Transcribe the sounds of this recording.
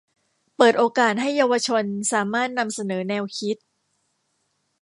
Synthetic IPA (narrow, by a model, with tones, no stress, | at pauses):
pɤː˨˩t̪̚ʔoː˧kaː˨˩t̪̚ɦa˥˩jːaː˧wa˧t͡ɕʰo˧nsaː˩˦maː˥˩t̪̚na˧msa˧nɤː˩˦nɛː˧wkʰi˦˥t̪̚